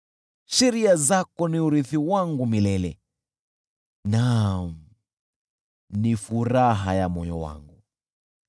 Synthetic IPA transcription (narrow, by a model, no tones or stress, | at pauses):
ʃɛɾiazakɔniuɾiθiwaŋɡumilɛlɛ̰ | nam̩ | nifuɾaɦajamɔjɔ̰wa̰ŋɡu